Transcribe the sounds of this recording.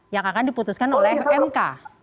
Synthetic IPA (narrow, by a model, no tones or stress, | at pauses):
jaŋakandiput̪uskanolɛɛmka̰